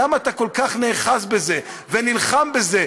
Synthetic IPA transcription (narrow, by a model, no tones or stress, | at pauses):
amat̪ako̞lkaχne̞ːχasbe̞ze̞ | venilχambe̞ze̞